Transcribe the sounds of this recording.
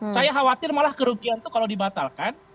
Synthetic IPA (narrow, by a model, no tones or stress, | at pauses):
sajaɦawat̪ɪrmalahkəɾuɡiant̪ukalawdibat̪alkan